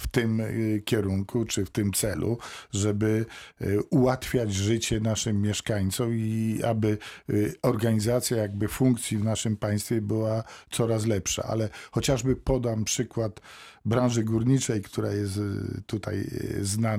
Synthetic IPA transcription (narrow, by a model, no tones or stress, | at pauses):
ft̪ɪmkʲɛɾuŋkʰut͡ʂɘft̪ɘmt̪sɛlṵʐɛbɘ | uwat̪fʲjad͡ʑʐɘt͡ɕɛnaʂɘmːʲjɛʂkaɲt̪sɔmiabɘ | ɔɾɡaɲizat̪sʲjajaɡbɘfuŋkt̪sʲivnaʂɘmpaj̃st̪fʲjɛbɘwat̪sɔɾas̬lɛpʂa̰ʔa̰lɛxɔt͡ɕaʐbɘpɔd̪ampʂɘkwat̪bɾãw̃ʐɘɡuɾɲit͡ʂɛjkt̪ʰuɾajɛst̪t̪ːut̪a̰jzna